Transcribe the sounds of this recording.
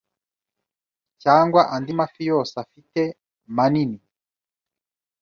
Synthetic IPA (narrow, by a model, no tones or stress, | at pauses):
caːŋɡwaʔandimafijosafite | manini